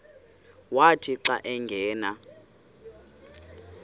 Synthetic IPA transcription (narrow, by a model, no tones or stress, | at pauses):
watʰiǀaʔɛŋɡʱɛːna